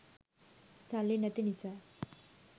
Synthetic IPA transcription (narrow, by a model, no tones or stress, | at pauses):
salːinɐt̪inisa